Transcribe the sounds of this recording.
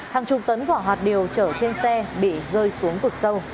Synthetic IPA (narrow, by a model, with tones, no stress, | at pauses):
haː˨˩ŋt͡ɕʊ˨˩k͡p̚t̪ə˨˦nvɔ˧˩ɦwaː˨˩t̚ɗi˨˩əwt͡ɕəː˧˩t͡ɕe˧nsɛ˧ɓḭ˧˨ɣəː˧jsu˨˦əŋpɨ˨˩k̚sə˧w